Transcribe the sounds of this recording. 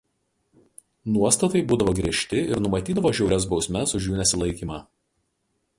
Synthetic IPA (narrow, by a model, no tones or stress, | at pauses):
nuɔst̪ɐt̪ɐɪbuːd̪ɐʋoːɡɾʲiɛʃʲt̪ʲɪɪɾnʊmɐt̪ʲiːd̪ɐʋoːʒʲɛʊɾʲɛs̬bɒʊsʲmʲɛsʊʒjuːnʲɛsʲɪlˠɐɪkʲiːmɑː